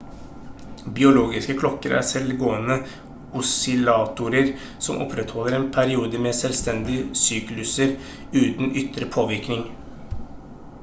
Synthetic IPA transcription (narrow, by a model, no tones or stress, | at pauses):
bɪʊloːɡɪskəkʰlɔkːəɾʔæ̰ɾsɛlɡoːənə | ʊsʏlɑːt̪ʊɾəɾ | sɔmʔɔ̰pʰɾɛt̪hɔlːəɾeːnpʰæɾɪuːd̪əmeːsɛlst̪ɛnd̪ɪəsyːklʉsəɾ | ʉːt̪nʏt̪ɾəpʰoːʋɪɾknɪŋ